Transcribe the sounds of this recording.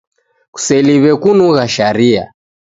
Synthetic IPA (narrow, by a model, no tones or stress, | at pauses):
ku̥sɛliβɛkunuɣaʃaɾia̰